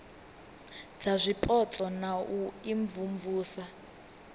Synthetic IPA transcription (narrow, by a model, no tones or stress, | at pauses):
d͡zazʷipʼɔt͡sʼɔnaʔuiɱvumvuːsa